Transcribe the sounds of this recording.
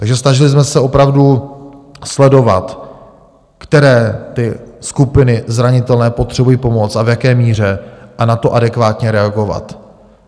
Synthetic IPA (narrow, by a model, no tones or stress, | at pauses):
t̪aɡʒɛsnaʒɪlɪsmɛsɛo̞pɾavdu | slɛdo̞vat̪ | kt̪ɛɾɛːt̪ɪskupɪnɪzɾaɲɪt̪ɛlnɛːpo̞t̪r̝̥ɛbujiːpo̞mo̞t͡savjakɛːmiːr̝ɛʔanat̪o̞ʔadɛkvaːt̪ɲɛɾɛaɡo̞va̰t̪